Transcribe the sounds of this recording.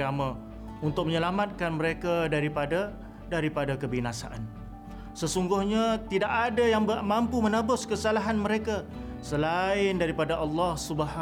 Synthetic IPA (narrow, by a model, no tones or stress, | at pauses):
amã | unt̪ʊk̚məɲəlamat̪̚kanməɾekadaɾipada | daɾipadakəbinasa̰ʔan | səsuŋɡʊhɲat̪idaʔadajaŋbmampumənabʊskəsalaɦanməɾeka | səlaɪndaɾipadaʔɑlːɑhsubəɦa